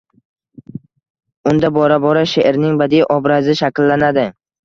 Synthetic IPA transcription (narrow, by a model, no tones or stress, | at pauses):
ʊnd̪abɒɾabɒɾaʃeʔeɾnɪŋbad̪ijʔɒbɾazɪʃakʲlːanad̪ɪ